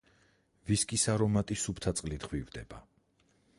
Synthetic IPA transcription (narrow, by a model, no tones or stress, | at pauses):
viskʼisaɾɔmat̪ʼisupʰt̪ʰat̪sʼqʼlid̪ʁwivd̪ɛba